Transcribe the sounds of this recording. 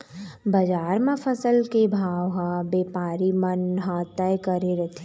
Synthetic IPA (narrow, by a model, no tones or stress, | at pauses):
bɐd͡ʒaːɾmãpʰəsəlkebʱaːʋɦãbeːpaːɾimənɦãt̪ɛjkəɾeɾɐt̪ʰe